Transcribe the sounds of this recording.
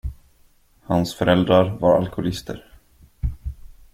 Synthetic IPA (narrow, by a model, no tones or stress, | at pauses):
hansfœɾɛld̪ɾaɾvaɾa̰lkʊlɪst̪ʰə̰ɾ